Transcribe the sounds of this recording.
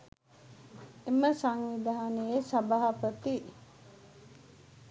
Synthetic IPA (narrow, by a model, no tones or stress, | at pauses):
eməsaŋʋid̪aɦanejesɐbaɦɐpət̪i